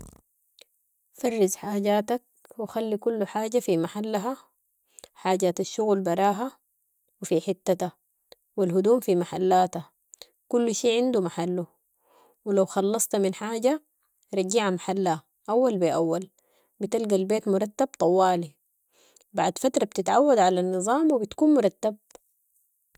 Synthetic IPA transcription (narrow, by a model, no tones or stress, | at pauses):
fɑrˤːizħaːɟaːt̪ak̚wixalːikulːuħaːɟafimaħalːaɦa | ħaːɟat̪aʃːuɣlbɑɾˤɑːɦa | wifiħɪt̪ːat̪a | wilɦud̪uːmfimaħalːaːt̪a | kulːʃiːʕɪnd̪umaħalːu | wilawxɑlːɑsˤt̪minħaːɟa | ɾˤɑɡiʕamaħalːa | ʔawːalbiʔawːal | bit̪alɡalbeːt̪mʊɾˤɑt̪ːab̚t̪ˤɑwːɑːli | baʕd̪fat̪ɾˤɑb̚t̪it̪ʕawːad̪ʕalanːɨzˤɑːmwibit̪kuːnmʊɾˤɑt̪ːab̚